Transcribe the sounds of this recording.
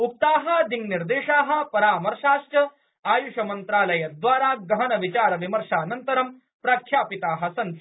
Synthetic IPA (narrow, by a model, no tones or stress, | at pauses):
up̚t̪aːɦɐ̆d̪inniɾd̪eːʂaːɦɐ̆pɐɾaːmɐɾʃaːʃjɐ | aːjuʃɐmɐnt̪ɾaːlɐjɐd̪ʋaːɾaːɡɐɦɐnɐʋit͡ʃaːɾɐʋimɐɾʂaːnɐnt̪ɐɾɐm | pɾɐkʰjaːpit̪aːɦɐ̆sɐn